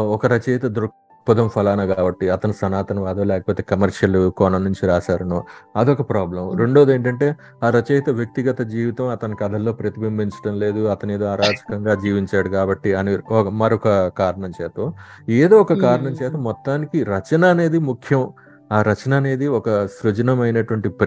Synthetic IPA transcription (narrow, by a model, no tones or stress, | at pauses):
ɔkɐɾɐt͡ʃɛjt̪ɐd̪ɾu | pud̪ɐmpʰɐlaːnɐɡaːbɐʈːiɐt̪ɐnisɐnaːt̪ɐnuʋaːd̪ɐːlɛːkɐpoːt̪eːkɐmɐɾʂɐlukɔːnɐmnuɲt͡ʃiɾaːsaːɾɐnuːɐd̪iɔkɐpɾaːblɐmɾe̞ɳɖo̞ːd̪e̞ːɳʈɐɳʈe̞ː | aːɾɐt͡ʃɛːjt̪ɐʋjɐk̚t̪iɡɐt̪ɐd͡ʒiːʋit̪ɐmɐt̪ɐnikɐd̪ʱɐlːo̞ːpɾɐt̪ibimbʱiɲt͡ʃɐ̥ɽɐmle̞ːd̪uɐt̪ɐneːd̪oːɐɾaːd͡ʒɐ̥kɐŋɡaːd͡ʒiːʋiɲt͡ʃaːɽukaːbɐʈːiɐniɔkɐmɐɾɔkɐkaːɾɐɳɐmt͡ʃɛːt̪ɐ | eːd̪oːɔkɐkaːɾɐɳɐmt͡ʃɛːt̪ɐmɔt̪ːaːnikiɾɐt͡ʃɐnɐːne̞ːd̪imukʰjɐm | aːɾɐt͡ʃɐnɐːne̞ːd̪iɔkɐsɾud͡ʒɐnɐmɐjnɐʈuʋɐɳʈip